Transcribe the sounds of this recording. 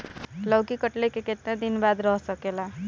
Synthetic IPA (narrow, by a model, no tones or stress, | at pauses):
lʌwkikəʈlekeket̪nãd̪inbad̪ɾʌɦsʌkela